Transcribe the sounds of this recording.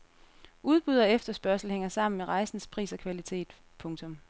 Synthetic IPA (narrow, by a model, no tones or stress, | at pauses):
uð̞ˠb̥uð̞ˠɐefd̥ɐsb̥ɶɐsl̩heŋ̰ɐsɑ̈m̰n̩meʁɑ̈ɪsn̩spʰʁḭːsɒ̽kʰʋælit͡sʰe̝̰ːd̥ | pʰɔ̽ŋt͡sʰɔ̽m